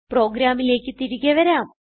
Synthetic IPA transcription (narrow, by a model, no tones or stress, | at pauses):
pro̞ːɡɾaːmile̞ːkːɨt̪iɾuɣɐʋɐɾaːm